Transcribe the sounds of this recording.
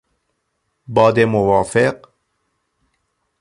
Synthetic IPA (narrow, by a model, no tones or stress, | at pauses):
bɑːd̪emowɑːfeq